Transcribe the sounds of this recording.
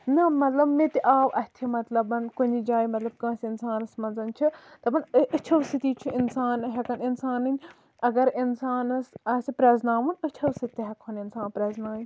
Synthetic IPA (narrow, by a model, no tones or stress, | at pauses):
nɐmɐt̪lɐbmit̪iʔaːwɐt̪ʰimɐt̪lɐbɐnkunid͡ʒaːjimɐt̪lɐb̚kãːsʲinsaːnɐsmɐnzɐnt͡ʃʰit̪ɐbɐnɨt͡ʃʰɐwsit̪iːt͡ʃʰiinsaːnɦɛkɐninsaːnɨnʲ | ɐɡɐɾinsaːnɐsɐsipɾɐznaːʋɐnɨt͡ʃʰɐwsɨt̪ːiɦɐkʰɐninsaːnpɾɐznaːji